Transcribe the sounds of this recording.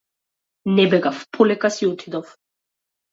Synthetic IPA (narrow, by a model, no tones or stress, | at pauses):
nɛbɛɡafpʰulɛkasiut̪ʰid̪ɔf